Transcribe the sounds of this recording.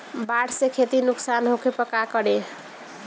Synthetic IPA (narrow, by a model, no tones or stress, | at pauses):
baʈʰsekʰet̪inuksanɦokepəkakʌɽe